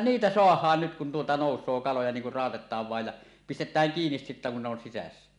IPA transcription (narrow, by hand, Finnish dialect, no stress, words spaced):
niːtæ soɑhˑɑːn nyt kun tuotɑ noˑusˑoː kɑlojɑ niːŋ kur rɑˑotetˑɑːʋ ʋɑˑej jɑ pistetˑæːŋ kiːnis sitːæ kun ne on sisæsːæ